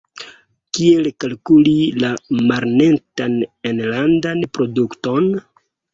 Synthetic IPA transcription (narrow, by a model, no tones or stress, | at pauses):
kielkalkulilamaɾnentanenlandanpɾo̞dukto̞n